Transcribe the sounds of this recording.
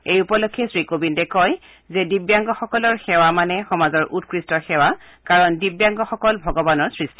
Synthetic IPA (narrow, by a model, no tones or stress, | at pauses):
ejupɔlokʰːɛsɹikobindɛkɔj | zɛdibjaŋɡɔxɔkɔlɔɹxɛwamanɛxɔmazɔɹʔut̚kɹistɔxɛwa | kaɹɔndibjaŋɡɔxɔkɔlbʱɔɡɔbanɔɹsɹisti